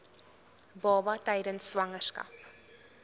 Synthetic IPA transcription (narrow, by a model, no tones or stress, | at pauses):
bɑːbɐtɛjdənsːwɐŋərskɐ̰p